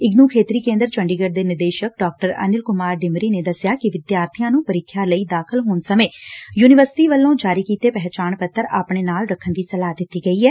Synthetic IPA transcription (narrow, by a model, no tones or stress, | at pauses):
ɪɡnuːkʰeːt̪ɾiːkẽːnd̪əɾt͡ʃəɳɖiːɡəɖd̪eːnɪɾd̪eːʃək̚ɖɔːk̚ʈəɾə̰nɪlkʊmaːɾɖɪmɾiːneːd̪əsɪjaːkɪʋɪd̪jaːɾt̪ʰɪjãːnũːpəɾɪkʰːjãːləiːd̪aːkʰəlɦoːnsəmeːjuːnɪʋəɾsɪ̥ʈiːʋəlːõːd͡ʒaːɾiːkiːt̪eːpɛɦt͡ʃaːɳpət̪ːəɾaːpɳeːnaːlɾəkʰːənd̪iːsəlaːd̪ɪt̪ːiːɡəiːɛː